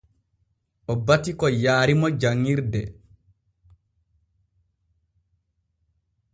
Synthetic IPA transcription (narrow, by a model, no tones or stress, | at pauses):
ʔɔbatikɔjaːɾimɔd͡ʒaŋːiɾdɛ